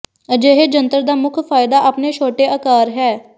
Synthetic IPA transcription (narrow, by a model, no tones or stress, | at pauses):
d͡ʒeːɦeːd͡ʒənt̪əɾd̪aːmʊkʰfʰaːɪd̪aːʔapneːt͡ʃʰoːʈeːʔəkaːɾɦɛː